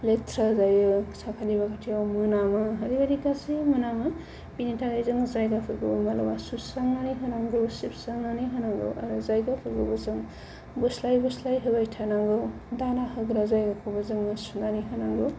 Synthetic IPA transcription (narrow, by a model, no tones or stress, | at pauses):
letʰɾazajɯsakʰaliβakʰatʰiawmunamɯɦadiɡadikasemunamɯ | pinitʰaɡajzɯŋzajɡapʰɯɡɯbmala̰masusaŋnanijɦɯnaŋɡɯwsipsaŋnanijɦanaŋɡɯ̰wʔa̰ɾuzajɡapʰɯɡɯbɯzɯŋ | buslajbuslajɦɯbajtʰanaŋɡɯw | danahɯɡɾazajɡakʰobazɯŋmasunaniɦanaŋɡɯw